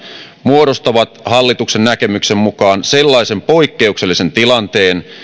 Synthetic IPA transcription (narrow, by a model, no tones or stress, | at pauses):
muoɾo̞st̪ɑʋɑt̪hɑlːit̪uksennækemyksemmukɑːnse̞lːɑise̞mpo̞ikːe̞ukse̞lːise̞nt̪ilɑnt̪e̞ːn